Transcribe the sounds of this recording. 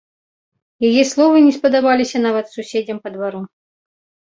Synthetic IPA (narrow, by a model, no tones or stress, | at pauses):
jajɛslˠɔvɨnʲɛspɐd̪abalʲisʲɐnavɐt̪susʲed͡zʲɐmpɐd̪vaɾu